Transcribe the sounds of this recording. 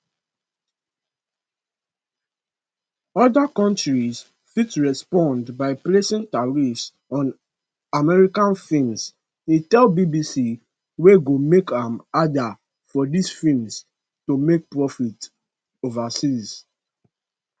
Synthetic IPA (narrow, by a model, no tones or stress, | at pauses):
ɔdakɔ̃ntɹis | fitɹɛspɔ̃ndbaɪplesĩntaɹis | ɔ̃n | amɛɹikãnfĩlms | ĩtɛlbibisi | weɡomekãmada | fɔdisfilms | tomek̚pɹɔfit | ovasiz